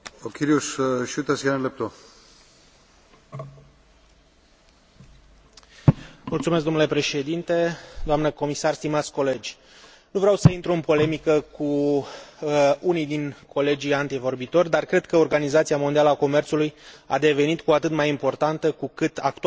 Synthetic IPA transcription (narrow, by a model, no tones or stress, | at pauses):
okʰʲiɾiusʃut̪asjanənlep̚t̪o | mult̪sumes̬k̚ɡd̪omnule̞pɾe̞ʃe̞d̪int̪e̞d̪oamnəko̞misarst̪imat̪sʲko̞le̞d͡ʒʲ | nuvɾeawsəint̪ɾuɨnpo̞le̞mikəku | unijd̪inkʰo̞le̞d͡ʒiant̪ivo̞rbit̪o̞rʲd̪arkɾe̞d̪kəo̞rɡanizat̪siamo̞nd̪ialəako̞me̞rt̪suluja̰d̪e̞ve̞nit̪kuat̪ɨt̪majimpo̞rt̪ant̪əkukɨt̪ak̚t̪u